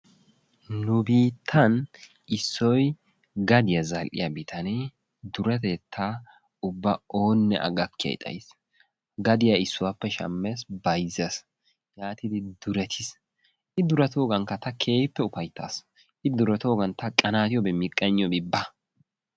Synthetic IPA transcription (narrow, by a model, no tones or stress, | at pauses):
nʊbiːt̪ʰːɐn | ɪsːɔj | ɡɐd̪ɪjɐzɐlʔɪ̰jɐbɪt̪ʰɐne | d̪ʊɾɛt̪eːt̪ʰːaː | ʊbːɐoːnːɛ̰ʔɐ̰ɡɐkːɪjɐ̰j̰t̪ʼɐ̰js | ɡɐd̪ɪjaɪsːʊwapːɛʃɐ̰mːesbɐjzɐs | jaːt̪ɪd̪ɪd̪ʊɾɛt̪ʰɪs | ʔɪd̪ʊɾɐt̪o̞ːɡɐŋkɐt̪ɐkʰe̞ːpːɛʊfɐjt̪ːa̰ːs | ʔɪd̪ʊɾɛt̪oːɡɐnt̪ɐkʼɐnaːt̪ɪjɔbɛmɪkʼːɐɲːɪjɔbɪbːɐ